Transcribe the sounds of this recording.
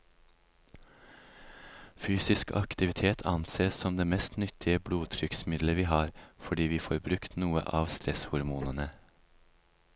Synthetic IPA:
fyːsɪskʰɑ̰kt̪ɪʋɪt̪ʰeːt̪ʰɑnseːssɔmd̪eːmɛst̪nʏt̪ʰɪəbluːt̪ʰɾʏksmɪd̪ləʋiːhɑːɾfɔɖiːʋiːfoːɾbɾʉkt̪nuːə̰ʔɑːʋst̪ɾɛshʊɾmuːnənə

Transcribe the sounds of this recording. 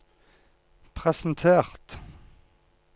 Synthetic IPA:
pʰʁɛsn̩t̪ʰeːʁt̪

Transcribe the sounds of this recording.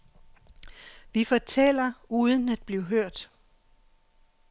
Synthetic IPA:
ʋifɒt͡sʰel̰ɐuːðˠən̩æd̥̚b̥liʊɦøɐ̰d̥

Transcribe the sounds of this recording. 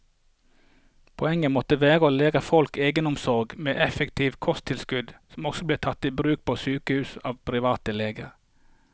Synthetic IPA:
pʰɔɛŋəmɔt̪əʋæːʁəoːleːʁəfɔlkeːɡənɔmsɔʁɡmeːʔɛfəkt̪ʰiːʋkʰɔst̪ʰɪlskʉd̪sɔmɔksɔbleːt̪ʰɑt̪ːiːbɾʉːk̚pʰoːsyːkəhʉːsɑːʋpʰɾɪʋɑːt̪əleːɡəʁ

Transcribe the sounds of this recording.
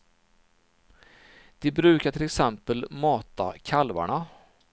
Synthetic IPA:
d̪̥ɛbɾʉ̟ːkaʈʰɪlɛksɛmpəlmɑːt̪a̰kʰalva̰ɳa

